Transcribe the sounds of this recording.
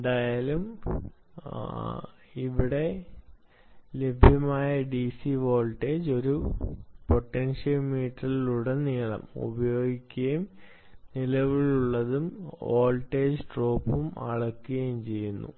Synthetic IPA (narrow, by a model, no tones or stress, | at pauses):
edaːjaːlum | iʋiɽe̞ | le̞bʱjɐmaːjɐɖisiʋo̞ːlʈe̞ːd͡ʑo̞ɾupo̞ʈːenʂɐlmiːʈːɐliluɽeniːɭɐ̰mṵbɐjo̞ːɡikʲːɐjum | nilɐʋiɭuɭːɐðumoːlʈːe̞ːd͡ʑʈro̞ːpːumɐ̰ɭɐkːuɣɐjumt͡ɕe̞jːunːṵ